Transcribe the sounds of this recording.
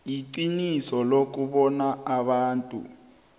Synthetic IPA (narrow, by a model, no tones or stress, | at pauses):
jiǀinisɔlok̬uɓɔnaaɓaːntʼṵ